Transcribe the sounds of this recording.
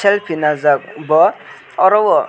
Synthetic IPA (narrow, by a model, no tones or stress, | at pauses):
elpʰinazak̚bɔ | ɔɾɔwɔ